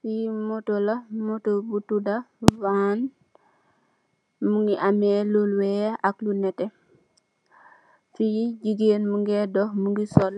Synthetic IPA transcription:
fijimotolamotobutudavaːn | muŋɡiʔamelulwɛaklunɛtɛ | fijiɟiɡenmuŋɡedɔhmuŋɡisɔl

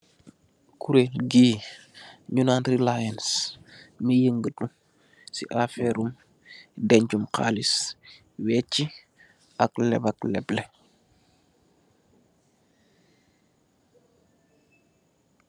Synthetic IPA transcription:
kuɾelɡiː | ɲunantɾilajans | mijəŋɡətu | sḭʔafɛɾum | dɛɲd͡ʒumqa̰ːlis | wɛt͡ʃːi | aklɛ̰baklɛblɛ

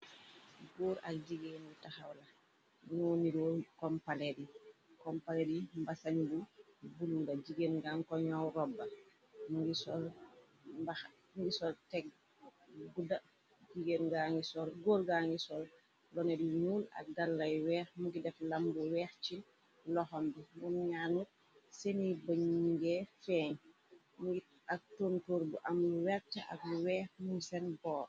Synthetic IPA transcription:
ɡoːɾa̰kd͡ʒiɡenbutaxawla | nuniɾɔkɔmpalɛdikɔmpalɛdimbasaɲbubululad͡ʒiɡenɡaːŋkɔɲawɾɔbːa | muŋɡisɔl | mba | mɡisɔltɛɡ̚ | buda | d͡ʒiɡenɡaːŋɡisɔlɡoːlɡaːŋɡisɔl | lɔnɛduɲuːla̰k̚ɡalːɐjwɛːxmuɡidɛflambuwɛːxt͡ʃin | lɔhɔmbimunɲaːnut̚ | senibaɲiŋɡɛfɛːɲ | muɡi | ak̚tontoːɾbuʔamluwɛftaa̰k̚luwɛːxmuŋisɛnbɔːɾ

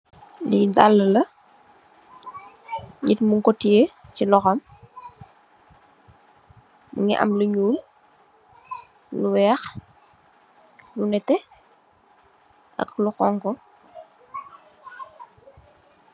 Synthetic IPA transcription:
lidalːɐlɐ | ɲitmuŋkɔtiecilɔxɐm | mṵŋḭʔɐ̰mluɲuːl | luwɛːx | lunɛtːɛ | ɐ̰kluqɔŋkɔ

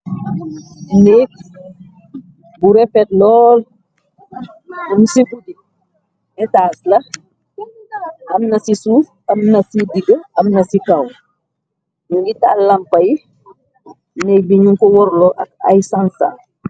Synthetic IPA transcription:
nɛːk̚ | buɾɛfɛtlɔːl | unsibudi | ɛtaːslɐ | ʔɐmnɐsisuf | ɐmnɐsidiɡəɐmnɐsikɐw | ɲuŋɡita̰lɐmpɐji | nɛk̚biɲuŋkɔwɔɾlɔʔɐ̰k̚ɐ̰jsansa̰

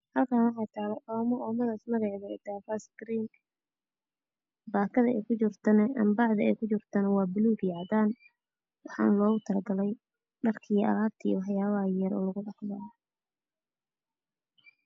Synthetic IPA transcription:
hɐlkʰaːnwɑħɑːt̪ʰaːlɛʔɔːmɔɔːmɐðaːsmɐɣɑʕðɛd̪afasɡɾiːŋ | baːkʰɐðɐɛkʰʊt͡ʃɪrt̪ʰɐnɐɐmbɑʕðɐɛkʰʊt͡ʃɪrt̪ʰɐnɐwɑːbɪluːɡjaːd̪aːn | wɑħɑ̰ːnlɔːɣʊt̪ʰɐlɐɡɐlɛj | mɐrkʰiːɐ̰laːt̪ʰḭwħjaːβɐɐjɐɾɔ̰ːlɐɣʊɖɑħjɐ

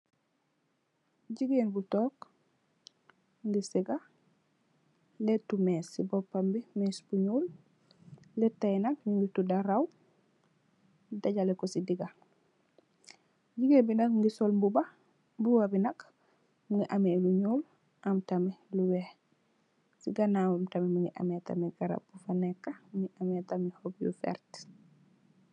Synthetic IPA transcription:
ɟiɡeːnbutɔːk | ŋɡisiɡa | letːumesːibɔpːambimeːsb̥uɲuːl | lɛtːajnak̚ɲuŋɡitudaɾaw | daɟalekɔsidiɡa | ɟiɡebinɐkŋɡisɔlmbubɐ | buwɐbinɐk | muŋɡiʔameluɲuːl | ʔɐmtamɛluwɛ | siɡanawamtamɛmuŋɡiʔa̰mɛta̰mɛɡaɾa̰bːufanɛkːɐmuŋɡiʔametamihɔbjṵfɛ̰ɾt

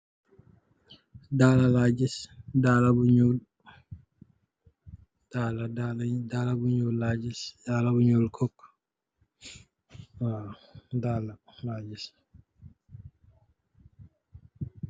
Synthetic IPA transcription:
dalalaːd͡ʒisdaːlabuɲol | d̥aːladaldaːlabuɲolːad͡ʒisdaːlabuɲoːlkʰɔkː | adaːlalaːd͡ʒis

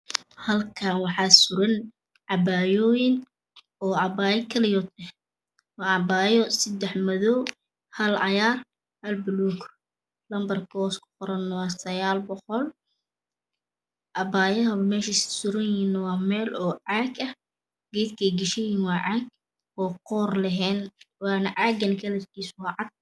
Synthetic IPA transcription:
hɐlkʰaːnwɑħɑːsʊɾɐn | ʕɑbaːjɔːjɪŋ | ɔːʕɑbaːjɐkʰɐlɪjɔt̪ɛh | wɑːʕɑbaːjɔsɐd̪ɛħmɐðɔw | hɐlʕɑjaːr | hɐlbʊluːkʰ | lɐmbɐrkʰɔːskʰʊ̥qʊɾɐnːwɑːsɐjaːlbɔqɔl | ʔɑbaːjɐɦɐβɐmɛːʃissʊɾɐjiːnːɐwɑːmɛːlɔːʕaːɡɐh | ɡ̥ɛjd̪kʰɛjɡɪʃɛjiːnwɑːʕɑɡ | ɔːqɔːrlɐɦɛːnwɑːnɐʕaːɡɐnkʰɐlɐt̪kʰiːswɑːʕɑd̪̚

